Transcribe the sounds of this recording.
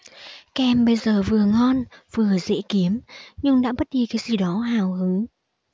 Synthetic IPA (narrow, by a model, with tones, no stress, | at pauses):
kɛ˧˩mɓə˧jzəː˨˩vɨ˨˩əŋɔ˧nv̥ɨ˨˩əzḛ˧˥ki˨˦əmɲɨ˧ŋɗa̰ː˧˥ɓə˦˥t̚ɗi˧kaː˨˦jzi˨˩ɗɔ˨˦haː˨˩whɨ˨˦ŋ